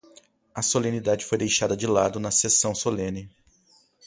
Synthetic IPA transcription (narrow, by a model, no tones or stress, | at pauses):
ɐsolẽnid̪ad͡ʒɪfojd̪ejʃad̪ɐd͡ʒɪlad̪ʊnɐsesɐ̃w̃solẽnɪ